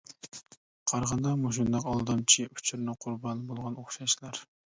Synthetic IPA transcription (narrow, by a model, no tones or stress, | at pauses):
qʰɑɾʁɑnd̪ɑmuʃund̪ɑqɑlˠd̪ɑmt͡ʃʰiu̥t͡ʃʰuɾnɨqʰʊɾbɑnbolˠʁɑnoχʃɑʃlˠɑɾ